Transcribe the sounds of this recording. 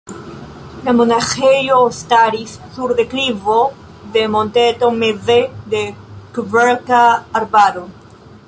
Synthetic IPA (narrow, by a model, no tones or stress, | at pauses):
lamonaxejost̪aɾisːuɾðeklivo | ðemont̪et̪omeðed̪ekuveɾkaːɾbaɾo